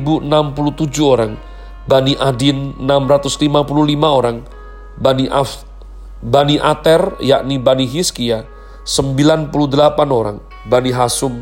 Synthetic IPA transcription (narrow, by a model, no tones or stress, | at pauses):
buənampulut̪ud͡ʒuoɾaŋ | baniʔadinənamɾat̪ʊslimapululimaoɾaŋ | baniʔa | baniʔat̪ɛrja̰ʔnibaniɦiskia | səmbilanpuludəlapanoɾa̰ŋ | baniɦasʊm